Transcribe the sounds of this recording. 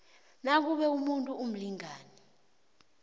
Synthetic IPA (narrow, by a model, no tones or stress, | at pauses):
nak̬uɓɛumuntʼuum̩liŋaːnɛ